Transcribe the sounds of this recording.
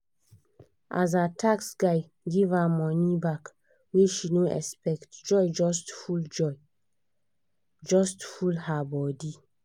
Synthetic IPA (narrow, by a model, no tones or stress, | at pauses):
ʔa̰zatʰaksɡaj | ɡivamɔnibak | wiʃinoɛ̰spɛktd͡ʒɔjd͡ʒɔstfuld͡ʒɔ | d͡ʒɔstfulhabɔdi